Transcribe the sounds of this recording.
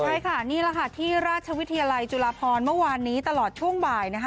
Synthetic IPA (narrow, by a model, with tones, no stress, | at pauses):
kʰɾa˧jkʰa˥˩niː˥˩la˧˥kʰa˥˩t̪ʰiː˥˩ɾaː˥˩t̪̚t͡ɕʰa˧wi˦˥t̪ʰːa˧jaː˧la˧jt͡ɕu˧laː˧pʰɔː˧nmɯ˥˩waː˧nːiː˦˥t̪a˧lɔː˨˩t̪̚t͡ɕʰu˥˩əŋbaː˨˩jna˦˥kʰa˦˥